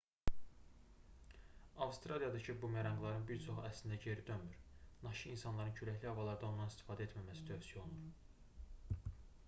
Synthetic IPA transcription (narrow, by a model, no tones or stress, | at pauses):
ɑfst̪ɾɑlijɑd̪ɑcʰibumæɾɑŋɡlˠɑɾɯnbiɾt͡ʃʰo̞xæslind̪æɟe̞ɾid̪øyɾnɑʃiinsɑnlˠɑɾɯncʰyɾæçliɑvɑlˠɑɾd̪ɑo̞nd̪ɑnist̪i̥fɑːd̪æe̞t̪mæmæsid̪ʰø̞hsijolˠnuɾ